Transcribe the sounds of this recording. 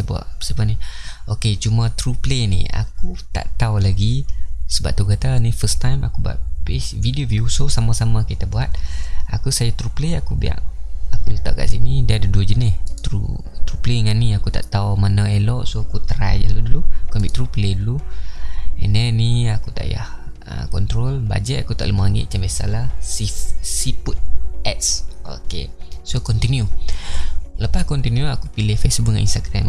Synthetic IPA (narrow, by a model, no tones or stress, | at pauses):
bua̰ʔə̥səpanioket͡ʃumə̃t̪ɾuplenḭa̰kut̪a̰ʔt̪aulaɡisəba̰ʔ̚t̪ukat̪anifəst̪ajma̰kubua̰ʔ̚pevidiovjusosamasaməkit̪abuat̪̚akusajat̪ɾupleakubia̰ʔakudət̪a̰ʔka̰ʔsinidiadəduəd͡ʒənɪht̪ɾṵ | t̪ɾupleŋanːiakut̪a̰ʔt̪aumanaelɔʔsoakut̪ɾa̰jd͡ʒaluduluakuabiaʔt̪ɾupəledulu | ḛnəniakut̪a̰ʔja̰h | ə̰kɔnt̪ɾolba̰d͡ʒɛʔakut̪aʔləmaaŋɪ̰ʔ̪̚t͡ʃambɛsa̰lahsifsiput̪̚ɛt̪so̰ke | sokɔnt̪inju | ləpaskɔnt̪injuakupilehfɛsubəŋaninst̪aɡɾam